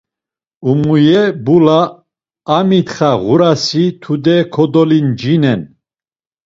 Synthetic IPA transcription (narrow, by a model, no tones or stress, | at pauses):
umujɛbulaː | mit̪χaʁuɾasit̪ʰud̪ɛkʰɔd̪ɔlind͡ʒinɛn